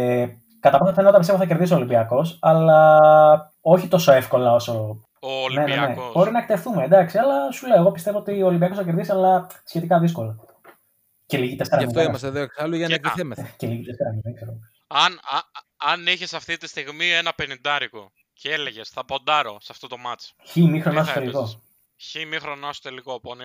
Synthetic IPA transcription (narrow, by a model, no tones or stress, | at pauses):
kɐt̪ɐpɐnsenɐɐt̪ɐpist̪eot̪θɐceɾðisiolimbiɐko̞sɐlɐ | o̞çit̪o̞so̞efko̞lɐo̞so̞ | ne̞nenebɾinɐkt̪e̞fθumed̪ɐksiɐlɐsuleoeɣo̞pist̪e̞voo̞t̪ioːlimbiɐko̞sθɐce̞ɾðisiɐlɐsçe̞t̪ikɐðisko̞lɐ | celiʝit̪esk̪ɾɐmit̪imɐseðoeksɐluʝɐnɐɐemceliʝit̪eskɾɐnðeɡzeɾo | ɐn | ɐniçesɐft̪it̪ist̪iɣmienɐpenind̪ɐɾiko | ceeleʝesθɐpo̞nd̪ɐɾo̰sɐft̪ot̪o̞mɐt͡sçimixɾo̞nɐstot̪eliko̞ | çimixɾonɐst̪ot̪elikopon